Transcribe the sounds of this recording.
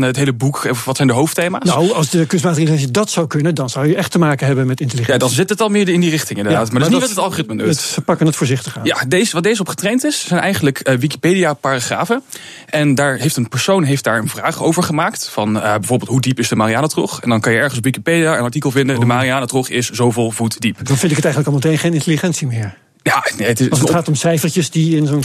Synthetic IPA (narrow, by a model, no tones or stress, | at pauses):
ətɦejləbukfʋɑtsɛjndəɦowfteːmaːnawɑlˠsdəkɵnsmaːtərinɛnsidɑtsawkɵnədɑnzʌwjəɛχtəmaːkənɦɛbənmɛtɪntəlijadɑnzɪtətɑlˠmɪːɹɪndirɪχtɪŋɪndəddaːtmaɹdɪsniʋtətɑlˠχorɪtmənutfəpɑkənətfʊːɹzɪχtəχajadejzəʋat̚dejzəɔpχətrejntɪszɛjnɛjχənləkʰəʋiki̥pejdijapaːraχra̰ːvən | ʔɛndaːɹɦejftənpəɹsownɦejft̚daːɹənvraːχowvəɹχəmaːktfɑnəbɛjvoːɹbeːlˠtɦudipɪzdəmaːriaːnatrɔ̰χɛ̰ndɑnkɑnjəɛɹχəns̬ɔpʋikipediaənɑɹtikəlˠvɪndədəmariaːnatrɔχɪszowvɪːlˠvutdipdɑnfɪntɪkətɛjxən̩ləkɑlˠmətejnχejnɪ̃ntəliχɛntsimɪːɹ | janeətɪχaːtɔmsɛjfəɹtəsdiɪnzon